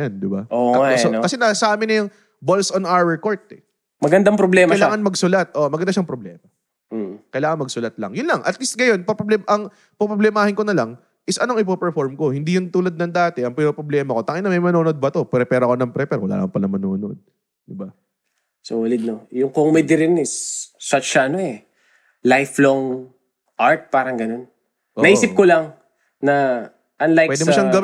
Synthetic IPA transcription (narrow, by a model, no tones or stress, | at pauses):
jɐnd̪ɪbaʔosokɐsɛnɐsɐaːmɪnɐjʊŋ | bolsonawwɛkoɹt̪ɛ | mɐɡɐnd̪ɐŋpɾoblɛːmkɐjlaːŋɐnmɐɡsʊlat̪̚ʔoʔmɐɡɐnd̪aʃɐŋpɾoblɛːmɐ | kɐjlaːŋɐnmɐɡsʊlɐt̪̚lɐ̰ŋjʊnlɐŋʔɐt̪list̪̚ɡɐjo̞npɐpɾoblɛmʔɐŋ | pɐpɾoblɛmaːhɪnko̞nɐlɐŋ | ʔɪsʔɐnoɐŋʔɪpopɛɹfo̞ɹmko̞hɪnd̪iːjʊnt̪uːlɐd̪̚nɐŋd̪aːt̪ɛʔɐŋpɪnopɾoblɛːmɐko̞t̪aŋɪnɐmɐjmɐnoːnod̪̚bɐt̪o̞pɾɛpɛːɾɐko̞nɐŋpɾɛpɛɾwɐla̰ːɐŋpɐlɐmɐnoːno̞̰d̪̚ | d̪ɪba | soɐlɪd̪̚nojʊŋkoŋmɛd̪ɪɾɪnɪsːɐt͡ʃːɐʔɐnoɛ | lajfloŋ | ʔaɹt̪̚paːɾɐŋɡɐno̞n | ʔoːɐʔiːsɪp̚kolɐŋ | nɐ | ʔɐnlajwɛd̪ɪmɐʃaŋɡɐw